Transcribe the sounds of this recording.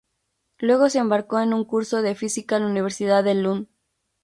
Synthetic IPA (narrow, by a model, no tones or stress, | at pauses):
lwe̞ɣ̞o̞seːmbaɾko̞e̞nũŋkuɾso̞ð̞e̞fisikalauniβ̞e̞ɾsiðaðelun